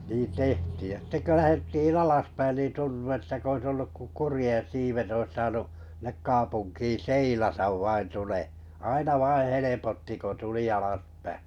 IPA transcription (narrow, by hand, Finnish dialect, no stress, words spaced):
niː tehtiːj jɑ sitːe kø læhetːiːn ɑlɑspæin niˑn tuntu etːæ k ois olːuk ko kurĭjẽˑ siːʋet ois sɑːnuʔ sĭnek kɑːpunkiː seilɑtɑʋ ʋɑin tule ɑinɑ ʋɑĩː helepotːi ko tuli ɑlɑspæ